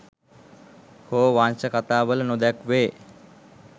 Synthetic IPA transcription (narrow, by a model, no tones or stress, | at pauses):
hoːʋaːnt͡ʃɐkɐt̪aːʋəlɐnod̪ɛkʋeː